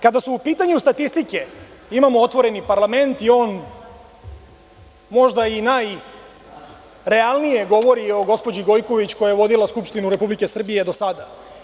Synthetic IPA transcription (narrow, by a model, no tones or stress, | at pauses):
kad̪asuupiːt̪aɲust̪at̪ist̪ike̞imamoot̪ʋo̞ɾe̞nipaɾlˠame̞nt̪io̞ːn | mo̞ʒd̪ainaj | ɾe̞alˠnije̞ɡo̞ʋo̞ɾio̞ɡo̞spod͡ʑiɡo̞jko̞ʋit͡ɕko̞jajeʋo̞d̪ilaskupʃt̪inuɾe̞publike̞sr̩bije̞d̪osad̪a